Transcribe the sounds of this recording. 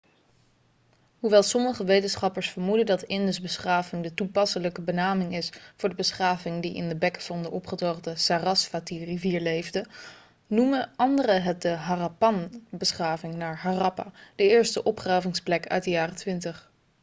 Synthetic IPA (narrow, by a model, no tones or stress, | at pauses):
ɦuʋɛlˠsɔməχəʋejtənsχɑpəɹsfəɹmudədɑtɪndəzbəsχaːvɪŋdətupɑsələkəbənaːmɪŋɪsfʊːɹdəbəsχaːvɪŋdiʔɪ̰ndəbɛkv̥ɑndəʔɔpχətoχdəsarɑsfatiriviːɹlejvdə | numəɑndərəɦɛt̚dəɦarapɑnbəsχaːvɪŋnaːɹɦarɑpa̰ːd̥əɪːɹstəʔɔpχraːvɪŋsplɛkœ̰ɥt̚dəjaːrətʋɪntəχ